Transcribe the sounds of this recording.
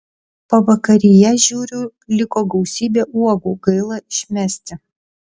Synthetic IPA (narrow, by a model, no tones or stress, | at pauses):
poʋɐkɐɾʲɪjɛʒʲuːɾʲʊ | lʲɪkoːɡɒʊsʲiːbʲeːʔuɔɡuːɡɐɪlˠɐɪʃʲmʲæːsʲt̪ʲɪ